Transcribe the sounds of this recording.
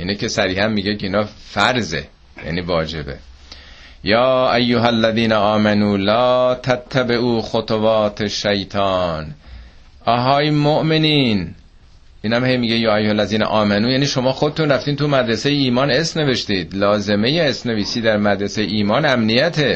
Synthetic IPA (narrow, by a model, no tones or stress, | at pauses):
ʔiːnecʰesæɾiːhæmːiːɟekʰeiːnɒːfæɾzḛ | jæ̰niːvɒːd͡ʒe̞be̞̰ | jɒːʔæjːoɦælːæðiːnæʔɒːmænuːlɒːt̪ʰæt̪ʰːæbeʔuːxot̪ʰovɑːt̪ʰeʃːæjt̪ʰɑːn | ʔɒɦɒːjmoʔme̞niːn | ʔiːnhæmhejmiːɟejɒːæjːohælːæziːnæ̰ʔɒːmænuːjæːniːʃo̞mɒːxod̪et̪unræft̪iːnt̪ʰumæd̪ɾese̞jeiːmɒːnesmne̞ve̞ʃt̪iːd̪̥lɒːze̞me̞jeesmne̞viːsiːd̪æɾmæd̪ɾesejeiːmɒːnæmnijæt̪ʰe̞